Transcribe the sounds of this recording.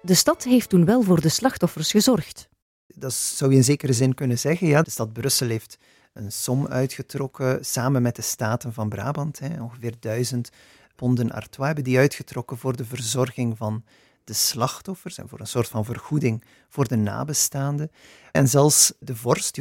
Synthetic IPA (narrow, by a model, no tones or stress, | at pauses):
dəstɑtɦeftunʋɛlˠvʊːrdəslɑxtɔfərsxəzɔrxt | dɑtz̥ɑwjəɪnzeːkəɾəzɪnkɵnənzɛɣənjaːdəstɑd̚brɵsəlˠɦeːft | ənsɔmœ̰ɥtxətrɔkəsaːmənmɛt̚dəstaːtənvɑnbra̰ːbɑntɦɛɔ̃ŋɣəvɪːrdœɥzənt | pɔndənʔa̰rtwaːɛbəndiœɥtxətrɔkənvoːrdəvərzɔrɣɪŋvɑn | d̥əslɑxtɔfərsɛ̰nvʊːɾənsoːrtfɑnvərɣudɪŋ | v̥oːrdəna̰ːbəstaːndə | ɛnzɛlˠfsdəvɔrsti